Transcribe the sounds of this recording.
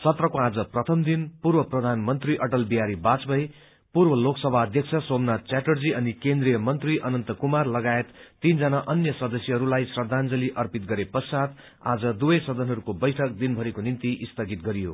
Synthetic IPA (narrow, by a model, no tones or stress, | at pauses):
sʌt̪rʌkoad͡zʌprʌt̪ʰʌmd̪inpurbʌprʌd̪ʱanmʌnt̪riʔʌʈʌlbiɦaɾibat͡sbʌj | purbʌloksʌbʱaʌd̪ʱjʌkt͡sʰʌsomnat͡saʈʌrd͡ziʌnikend̪rijʌmʌnt̪riʔʌnʌnt̪ʌkumarlʌɡaet̪ːind͡zʌnaʔʌnjʌsʌd̪ʌsjʌɦʌɾulajsrʌd̪ʱand͡zʌliʔʌrpit̪̚ɡʌɾepʌsad̪ | a̰d͡zʌd̪ubʌjsʌd̪ʱʌnɦʌɾukobʌjʈʰʌk̚d̪inbʱʌɾikonint̪iʔist̪ʌɡit̪ɡʌɾijo̰